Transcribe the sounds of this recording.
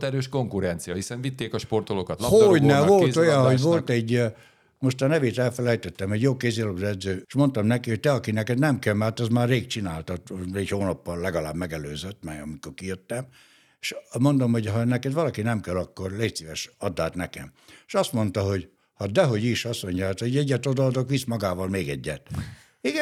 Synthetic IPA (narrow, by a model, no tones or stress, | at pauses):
t̪ɛɾøːʃko̞ŋkuɾɛnt̪sijɒhisɛɱvit̪ːeːkɒʃpo̞rt̪olokɒt̪lɒhoɟnɛvo̞lt̪o̞jɒnɦo̞ɟvo̞lt̪ɛɟː | mo̞ʃt̪ɒnɛveːt̪ɛlfɛlɛjt̪ɛt̪ːɛmɛɟjoːkeːzilobd̪ɛd̪zøːʃmo̞nt̪ɒmnɛkihoc̚t̪ɛɒkinɛkɛd̪nɛmkɛlmɛrt̪ɒzmaːrreːk̚t͡ʃinaːlt̪ɒt̪ɛchoːnɒpːɒllɛɡɒlaːbmɛɡɛløːzøt̪ːmɛjɒmiko̞rkijøt̪ːɛm | eʃmo̞nd̪o̞mho̞ɟɦɒnɛkɛd̪ʋɒlɒkinɛmkɛlɒkːo̞rleːsiːvɛʃɒd̪ːaːt̪nɛkɛ̰mʃɒst̪mo̞n̪t̪ɒɦo̞ɟ | hɒd̪ɛɦo̞ɟiʃɒsoɲjat̪oɟɛɟːɛt̪od̪ɒɒd̪o̞kʋismɒɡaːvɒlmeːɡɛɟːɛt̪ | iɡɛ